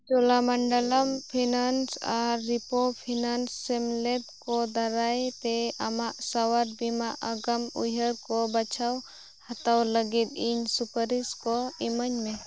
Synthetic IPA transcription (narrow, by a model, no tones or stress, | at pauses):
t͡ʃɔlamaɳɖələmpʰinansa̰ɾːipopʰinansːɛmlɛb̚kɔd̪aɾajt̪ɛamaʔsawaɾ̚bimaʔəɡəmṵjɦəɾkɔbat͡ʃʰaw | hat̪awləɡit̪iɲsupəɾiskɔiməɲmɛ